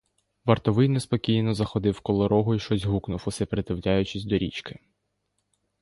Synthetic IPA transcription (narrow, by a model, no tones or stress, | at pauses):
ʋɐrt̪ɔʋɪjnespɔkʲijnɔzɐxɔd̪ɪwkɔlˠɔɾɔɦʊiʃt͡ʃɔsʲɦuknʊwʊsɛpɾet̪ɪwlʲajʊt͡ʃɪsʲd̪ɔɾʲit͡ʃkɪ̥